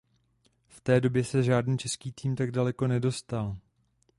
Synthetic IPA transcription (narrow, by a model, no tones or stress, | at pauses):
ft̪ɛːdo̞bjɛsɛʒaːdniːt͡ʃɛskiːt̪iːmt̪aɡ̚dalɛko̞nɛdo̞st̪al